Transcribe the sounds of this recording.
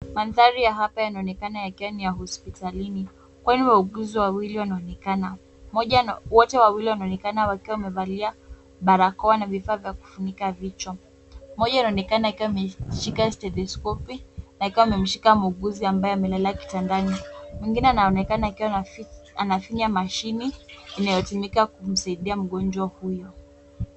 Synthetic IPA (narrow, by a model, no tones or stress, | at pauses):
manðaɾijaɦapajanaɔnɛkanajakiwanijaɦɔspitalini | kwaniwauɡuziwawiliwanaɔnɛkana | mɔʄawɔtɛwawiliwanaɔnɛkanawakiwamɛɓalia | ɓaɾakɔwanavifaːvjaku̥funikavit͡ʃɔ | mɔʄainaɔnɛkanaikiwaimɛʃikastɛlɛskɔpinaikiwaimɛm̩ʃikamuɠuziambajɔamɛlalaki̥tandanimwɛŋɡinɛanaɔnɛkanaikiwaanafiɲamaʃiniːnajɔtumikakum̩saiɗiam̩ɠɔnd͡ʒwahujɔ